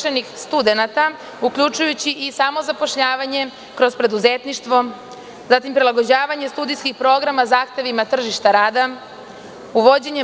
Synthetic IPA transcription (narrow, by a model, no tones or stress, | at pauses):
enixst̪ud̪e̞nat̪a | ukʎʲut͡ʃujut͡ɕiʔisamo̞zapo̞ʃʎaːʋaɲe̞ | kɾo̞zpɾe̞d̪uzet̪niʃt̪ʋo̞ | zat̪impɾilaɡo̞d͡ʑaːʋaɲest̪ud̪ijskixpɾo̞ːɡɾamazaːxt̪e̞ʋimat̪r̩ʒiʃt̪aɾaːd̪a | uʋo̞d͡ʑe̞ɲe